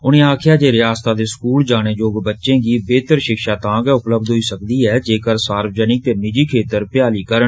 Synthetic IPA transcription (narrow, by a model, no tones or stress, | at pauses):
ʊnẽːaːkʰɪjaːd͡ʒeːɾɪjaːst̪aːd̪eːskuːld͡ʒaːɽ̃eːd͡ʒoːɡbətːʃẽːɡiːbeːt̪əɾʃɪkʃaːt̪ãːɡɛʊpləb̚d̪ɦoiːsək̚d̪iːɛːd͡ʒeːkəɾsaːɾwd͡ʒəːnɪk̚t̪eːnɪd͡ʒiːkʰeːt̪əɾpjaːliːkəɾən